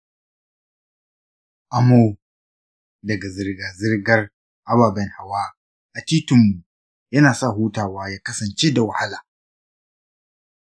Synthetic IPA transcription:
ʔa˨mo˦ | dɐ˨ɡa˨zɪ˨rɡaː˨zɪ˦rɡɐ˦r | ʔa˨baː˨bɛ˦nha˨waː˦ | ʔa˨tiː˦tʊ˨mːu˨ | jɐ˦naː˨sa˦˨ɦuː˦taː˨waː˦jaː˦kɐ˦sɐ˨nt͡ʃe˦da˨wɐ˨ha˦laː˨

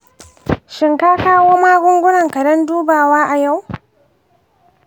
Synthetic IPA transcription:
ʃɪ˨ŋkaː˦kaː˦woː˦maː˦ɡʷʊ˦ŋɡʷʊ˦nɐ˨ŋkɐ˨dɔ˦nduː˦baː˨waː˦ʔa˨ja˦˨w

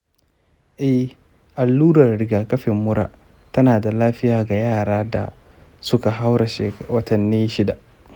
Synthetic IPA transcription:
ʔɛ˦h | ʔa˨lːuː˦ɾɐ˨rɽɪ˨˦ɡaː˨kɐ˦ɸɪ˨mːʊ˦ɽa̰ː˦ | tɐ˦naː˨da˨laː˦ɸɪ˦jaː˨ɡa˨jaː˦˨ɽaː˦da̰˨ | sʊ˦ka˨ɦa˦wɽa˨ʃeː˨wɐ˦tɐ˨nːiː˦ʃɪ˦da˨ʔ

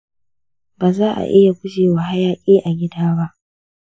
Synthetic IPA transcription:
baː˨zaː˦ʔa̰˨ʔɪ˦ja˨ɡʷʊ˦d͡ʒeː˨wa˨ɦa˦jaː˦˨kʲʼeː˦ʔa˨ɡʲɪ˦daː˦ba˦ʔ

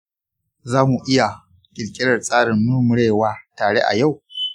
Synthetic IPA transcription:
zaː˦mu˨ʔɪ˦ja˨ | kʲʼɪ˨lkʲʼɪ˦ɽɐ˨rsʼaː˦ɽɪ˨mmʊ˦rmʊ˦ɽeː˦˨waː˦taː˨ɽe˦ʔa̰˨ja˦˨w

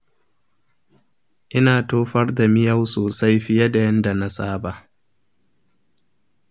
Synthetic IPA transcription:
ʔɪ˦naː˨toː˦ɸɐ˦rda˨mɪ˦ja˦wsoː˨sa˦jɸɪ˦ja˦da˨jɐ˦nda˨na˦saː˦ba˨ʔ

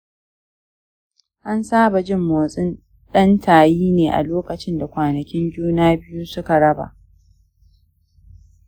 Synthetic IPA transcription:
ʔa˦nsaː˦ba˨d͡ʒɪ˦mːoː˨sʼɪ˦n | ɗɐ˦ntʰaː˨jiː˦neː˨ʔa̰˨loː˦kɐ˨t͡ʃɪ˦nda˨kʷaː˨nɐ˨kʲɪ˦nd͡ʒuː˦naː˦bɪ˦ju˦sʊ˦ka˨ɽɐ˦ba̰˨ʔ

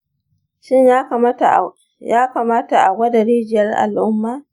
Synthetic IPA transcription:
ʃɪ˦ɲja˦˨˦ | jaː˦ka˨maː˦ta˨ʔa˨ɡʷɐ˦da˨ɽiː˦d͡ʒɪ˨jɐ˦rʔa̰˨lʔʊ˦mːaː˦

